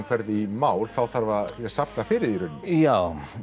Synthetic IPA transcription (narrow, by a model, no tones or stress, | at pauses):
nkʰvɛɾðɪimaːwlθawθaɾvajɛsapnafɪːɾɪðiɾʏnːɪjaːw